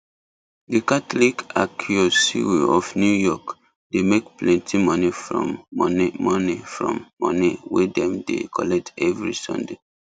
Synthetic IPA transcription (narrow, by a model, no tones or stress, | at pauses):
dikatlikakʰjosḭwiɔfnjujɔk | demekplɛ̃ntʰimɔnifɹɔ̰̃mnmɔnifɹɔ̰̃mːɔ̰̃niwedɛ̃mdḛkʰɔlɛk̚tɛvɹḭsɔ̰̃nde